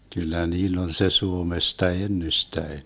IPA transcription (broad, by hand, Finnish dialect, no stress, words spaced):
kylːæ niːlː on se suomestɑ enːystæen